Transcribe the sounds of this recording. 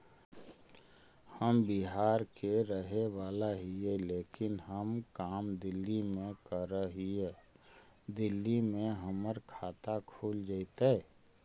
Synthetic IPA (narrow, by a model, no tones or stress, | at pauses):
həmbiɦaːɾkeɾəɦeʋaːlaɦieleːkɪnɦəmkaːmd̪ɪlːimẽkəɾəɦie | d̪ɪlːimẽɦəməɾkʰaːt̪akʰuːld͡ʒaɪt̪e